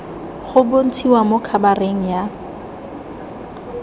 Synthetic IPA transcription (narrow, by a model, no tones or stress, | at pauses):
χʊbon̩tʰiwamokʰabareŋ̩ja